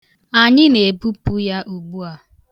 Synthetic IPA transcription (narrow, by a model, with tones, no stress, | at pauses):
a˨ɲɪ˦ne˨bu˦pu˦ja˦ʔu˨ɡ͡bu˦a˨